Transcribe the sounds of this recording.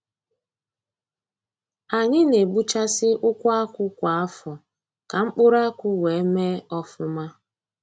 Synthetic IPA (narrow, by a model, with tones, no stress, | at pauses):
a˨ɲɪ˦ne˨ɡ͡bu˦t͡ʃa˦sɪ˦ʔʊ˦kʷa˦kʷʊ˦kʷa˨a˦fɔ˨ | ka˨ŋ͡m̩˦k͡pʊ˦ɾa˦kʷʊ˦we˨e˦me˦ɔ˦fʊ˦ma˦